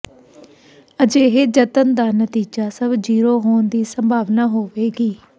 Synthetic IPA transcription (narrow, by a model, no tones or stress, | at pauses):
əd͡ʒeːɦeːd͡ʒət̪ənd̪aːnət̪iːd͡ʒaːsəbd͡ʒiːɾoːɦoːnd̪iːsəmbʱaːʋnaːɦoːʋeːɡiː